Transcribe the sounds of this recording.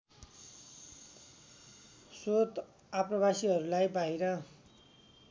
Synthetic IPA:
sot̪ | aprʌβasiɦʌɾulajbaɦiɾʌ

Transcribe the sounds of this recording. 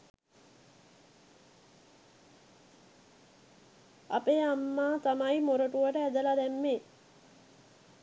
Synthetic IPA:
a̰peːamːaːt̪amajmoɾəʈuʋəʈəæd̪əlad̪æmːe

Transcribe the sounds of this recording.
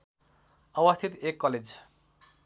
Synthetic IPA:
ʌbʌst̪ʰit̪ekːɔled͡z

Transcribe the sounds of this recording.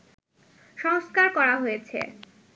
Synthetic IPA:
ʃɔŋskaɾkɔɾaɦojet͡ɕʰḛ

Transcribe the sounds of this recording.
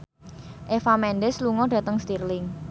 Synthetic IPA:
ʔefamɛnɖɛsluŋɔɖ̥ä̤t̪əŋst̪irlɪŋ

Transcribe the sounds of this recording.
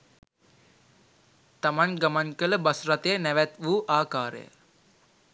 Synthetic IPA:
t̪amanɡamankələbasɾat̪ejənæʋæt̪ʋuːʔaːkaːɾə̰jə̰

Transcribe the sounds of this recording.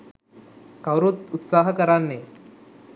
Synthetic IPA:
kawɾot̪ut̪saɦəkəɾanːe

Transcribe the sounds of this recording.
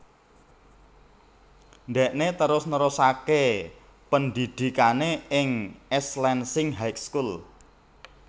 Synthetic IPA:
nɖ̪ɛʔnet̪əɾʊsnəɾʊsake | pənd̪id̪̥i̤kaneɪŋɛslɛnsɪŋɦajkskul

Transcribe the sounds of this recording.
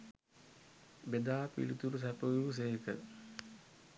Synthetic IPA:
bed̪aːpḭlit̪uɾusæpəjuːs̬eɦkə̰

